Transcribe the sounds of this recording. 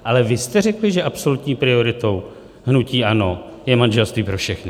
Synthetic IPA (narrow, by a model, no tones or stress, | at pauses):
ʔalɛvɪst̪ɛrɛklɪʒɛʔapso̞lut̪ɲiːpɾɪo̞ɾɪt̪o̞w | ɦnuciːʔano̞jɛmanʒɛlst̪viːpɾo̞fʃɛxnɪ